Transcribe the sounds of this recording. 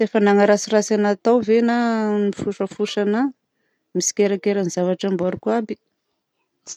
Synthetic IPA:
efanaŋaɾasirasanat̪awvenanifuʂəfuʂana | misi̥kʲeɾakeɾanizavaʈ͡ʂambaɾukuabi̥

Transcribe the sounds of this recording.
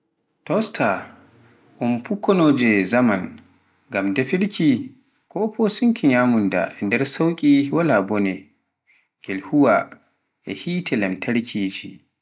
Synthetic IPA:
tɔstʰa | ʔumpukːɔnɔd͡ʒɛzaman | ɡamdɛfiɾkʰʲi | kʰɔpʰɔsuŋkʰiɲamunda̰ɛndɛɾsawkʲʼiwalabɔnɛ | ɡ̥ɛlhuwa | ʔɛ̰hiːtʰɛlɛmtʰaɽkʰʲiːt͡ʃi

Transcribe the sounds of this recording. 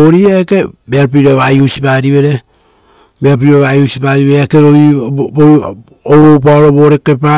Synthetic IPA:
oɾiaekebeaɾp̬iɾeβajusipaɾiβeɾe | meap̬iiɾeβajusipaɾiβeakeɾoio | oβop̬aoɾoβoɾekepa

